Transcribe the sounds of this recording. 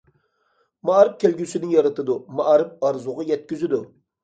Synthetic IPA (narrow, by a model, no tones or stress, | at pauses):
mɑɾɨp̚kʲʰelɡʲysɪnɪjɑɾɨt̪ʰɨd̪umɑʔɾɨp̚ɑɾzuʁɑjɛt̪̚kʲyzyd̪u